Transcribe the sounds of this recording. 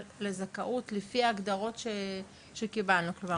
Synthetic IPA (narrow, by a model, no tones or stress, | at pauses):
lezakaʔutlifiaːɡd̪aʁo̞tʃe | ʃekibalnukluma